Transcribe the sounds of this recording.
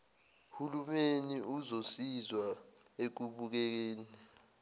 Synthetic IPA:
hulumeniuzosizwa | ek̬uɓuk̬ɛk̬eːni

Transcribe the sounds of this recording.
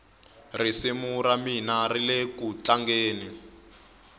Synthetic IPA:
risimuɾaminarilekut͡ɬaŋɡeːni

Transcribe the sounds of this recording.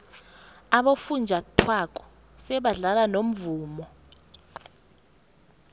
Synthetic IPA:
aɓofund͡ʒʱatʰwak̬ʼɔ̥ | sɛɓaɮalanom̩vuːmɔ

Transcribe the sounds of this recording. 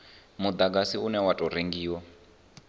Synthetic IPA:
mud̪aɡasiunɛwatʼɔɾeŋɡiːwɔ

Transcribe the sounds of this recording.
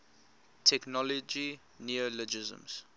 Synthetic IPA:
tʰɛknɔlɔd͡ʒi | niələd͡ʒɪzə̰̃mz̥

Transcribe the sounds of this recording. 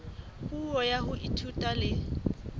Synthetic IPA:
puɔjaɦʊʔitʰutʼalɪ

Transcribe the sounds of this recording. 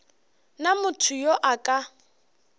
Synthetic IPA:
namʊtʰʊjoʔakʼa

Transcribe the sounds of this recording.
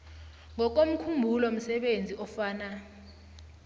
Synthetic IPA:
ŋɔk̬om̩kʰumbʱulɔm̩sɛɓend͡zʱiʔɔfaːna

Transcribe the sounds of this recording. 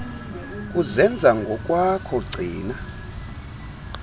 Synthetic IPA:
kʼuzɛnd͡zʱaŋɡʱɔkʼwakʰɔɡ͡ǀʱiːna

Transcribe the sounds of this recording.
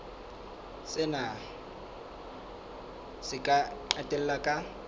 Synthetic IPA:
sɪna | sɪkʼaǃatʼɛl̩lakʼa

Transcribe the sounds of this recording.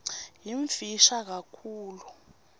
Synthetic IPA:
jiɱfiʃak̬akʰuːlu

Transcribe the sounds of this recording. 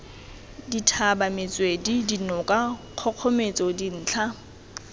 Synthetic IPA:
ditʰabamɪt͡sʼwedidinʊkʼaq͡χʰɔq͡χʰɔmet͡sʼɔdin̩ːt͡ɬʰa

